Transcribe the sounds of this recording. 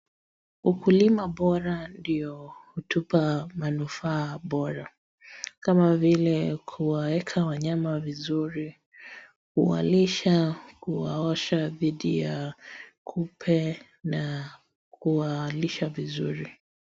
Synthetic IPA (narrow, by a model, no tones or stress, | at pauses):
ukulimaɓɔɾandiɔhutupamanufaːɓɔɾa | kamavilɛkʰuwawɛkʰawaɲamavizuɾi | huwa̰liʃakuwaɔʃaðiɗijakʰupʰɛ | na | kuwaliʃavizuɾi